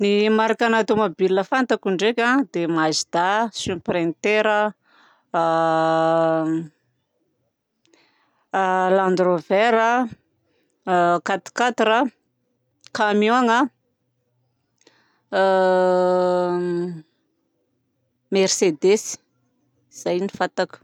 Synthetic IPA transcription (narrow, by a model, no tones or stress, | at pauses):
nimaɾakanat̪omabilːəfant̪akuɳɖ͡ʐekʲãd̪emazid̪asypɾent̪eɾə | land̪roveɾə | kat̪i̥kat̪ɾə | kamjoŋə | mersed̪esi̥ | z̥ajnifat̪aku̥